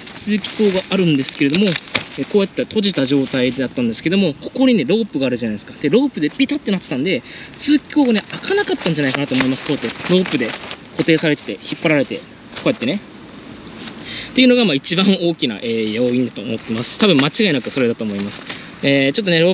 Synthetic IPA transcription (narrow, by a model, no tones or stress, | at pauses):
t͡sɨːkʲi̥ko̞ːɡaaɾɯ̟̃nd̪e̞sɨ̥ke̞ɾe̞d̪omo̞eko̞ːjat̪ːat̪o̞ʑit̪aʑo̞ːt̪aid̪ed̪at̪ːãnd̪esɨ̥ke̞d̪o̞mo̞ko̞̥ko̞ɲ̟ine̞ɾo̞ːpɯɡaːɾɯ̟ʑanaid̪sɨ̥kad̪̥e̞ɾo̞ːpɯ̟d̪e̞pʲit̪at̪ːe̞nat̪ːet̪ãnd̪e̞t͡sɨːkʲi̥koːɡane̞akʰanakat̪ːãnɲ̟d͡ʑanaikanat̪oːmo̞imasɨ̥ko̞ːjat̪ːeɾo̞ːpɯ̟d̪e̞ko̞t̪e̞ːsaɾe̞t̪e̞̥t̪e̞çipːaɾaɾe̞t̪e̞ | koːjat̪ːe̞ne̞ | t̪eiɯ̟no̞ɡamaːit͡ɕibãɰ̃o̞ːkʲina̰ʔeːjo̞ːĩɲd̪at̪o̞̰ːmo̞t̪ːe̞masɨ̥t̪abɯ̃mːat͡ɕiɡainakɯ̟so̞ɾe̞d̪at̪oːmo̞imasɨ̥ | et͡ɕo̞t̪ːo̞ne̞ɾo̞ː